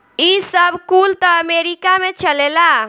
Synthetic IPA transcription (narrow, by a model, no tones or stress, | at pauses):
isəbʱkult̪ɔəmeɾikamet͡ʃəlela